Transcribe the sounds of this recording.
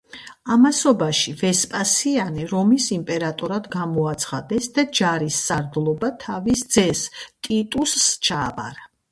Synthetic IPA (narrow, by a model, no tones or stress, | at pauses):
amasɔbaʃivɛspʼasianɛɾɔmisimpʼɛɾat̪ʼɔɾad̪ɡamɔat̪sʰχad̪ɛsd̪ad͡ʒaɾisːaɾd̪lˠɔbat̪ʰavisd̪zɛst̪ʼit̪ʼusːt͡ʃʰaːpa̰ɾa